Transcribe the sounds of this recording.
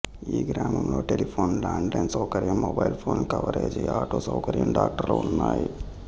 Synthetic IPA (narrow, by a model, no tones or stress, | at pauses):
iːɡɾaːmɐmlo̞ːʈelipʰoːnlaːɳɖlɐjnsɐwkɐɾjɐmːobɐjlpʰoːnkɐʋɐɾeːd͡ʒiaːʈoːsɐwkɐɾjɐmɖaːk̚ʈɐɾluunːaːji